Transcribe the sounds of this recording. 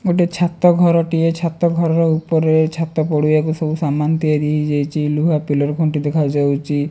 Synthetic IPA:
ɡoʈet͡ʃʰat̪ɔɡʱɔɾɔʈiet͡ʃʰat̪ɔɡʱɔɾɔɾɔupɔɾet͡ʃʰat̪ːɔpɔɽujakusɔbusamant̪iaɾiɦid͡ʒajt͡ʃʰiluɦapilɔɾkʰoɳʈid̪ekʰawd͡ʒawt͡ʃʰi

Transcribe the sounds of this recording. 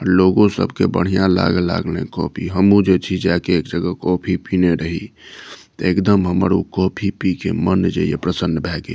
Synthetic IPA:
ɔɾloɡõsə̰bʱkebə̰ɽ̤ijãla̰ɡəla̰ɡlḛ̃kɔ̰pʰiɦəmũd͡ʒet͡ʃʰid͡ʒakeekd͡ʒəɡəkɔpʰipineɾəɦi | t̪ekd̪əmɦəməɾukɔpʰipikemənd͡ʒejḛpɾəsənːbʱɛɡḛ

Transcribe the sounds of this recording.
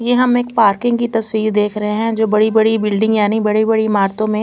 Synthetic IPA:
jeɦɐmeːk̚paːɾkɪ̃ŋɡkit̪ɐswiːɾd̪eːkʰɾɐɦeɦɛ̃d͡ʒoːbɐɽibɐɽibɪlɖɪ̃ŋɡjaːnĩbɐɽibɐɽimaːɾt̪õmẽ

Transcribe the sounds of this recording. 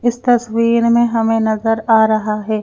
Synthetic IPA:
ɪst̪ɐswiːɾmẽɦɐmẽnɐzəɾaːɾɐɦaɦɛː

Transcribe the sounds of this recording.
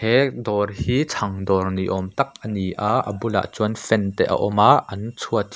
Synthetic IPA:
ɛd̪ɔrhiːt͡sʰɐŋd̪ɔrniʔɔmt̪ɐk̚ʔəniʔaʔə̰bula̰ʔt͡suənfɛnt̪ɛʔɐ̰ʔɔmaʔɐnt͡sʰuɐt̪

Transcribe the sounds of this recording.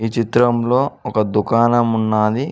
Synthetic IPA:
iːt͡ʃit̪ɾɐmlo̞ːɔkɐd̪ukaːnɐmunːaːd̪i

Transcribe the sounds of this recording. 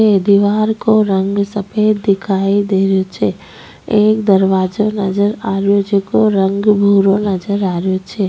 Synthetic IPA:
ed̪iʋaɾkoɾəŋɡsəped̪ːɪkʰaid̪eɾjot͡ʃʰe | ekd̪əɾʋad͡ʒonəd͡ʒəɾaɾjod͡ʒekoɾəŋɡbʱuɾonəd͡ʒəɾaɾjot͡ʃʰe

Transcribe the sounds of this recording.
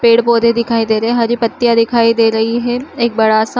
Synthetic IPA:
peːɽpoːd̪ʱed̪ɪkʰaːid̪eːɾɐɦɛɦaɾipɐt̪ːijad̪ɪkʰaːid̪eːɾɐɦiɦɛeːk̚bɐɽasã

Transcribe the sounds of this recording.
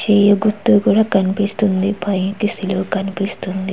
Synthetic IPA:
t͡ʃeːjɐɡut̪ːukuːɽaːkɐnipist̪und̪ipɐjnkisilokɐnipist̪und̪i

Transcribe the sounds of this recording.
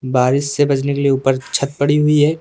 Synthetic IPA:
baːɾɪssebɐt͡ʃnekelieuːpəɾt͡ʃʰɐt̪̚pɐɽiɦʊiɦɛː

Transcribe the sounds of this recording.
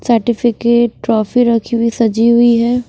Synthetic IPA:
səɾʈɪfʰɪkeːʈːɾɔːfiɾɐkʰiwisɐd͡ʒiɦʊiɦɛː

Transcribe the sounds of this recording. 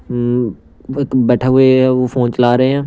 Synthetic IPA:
ekbɛːʈʰaɦʊeʋofʰoːnt͡ʃəlaːɾɐɦeɦɛ̃ː

